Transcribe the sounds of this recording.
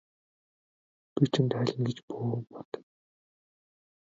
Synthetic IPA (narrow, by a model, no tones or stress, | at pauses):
pit͡ɕʰɘ̆nt̪æɮʲə̆nɡet͡ɕpoːpɔt̪ə̥̆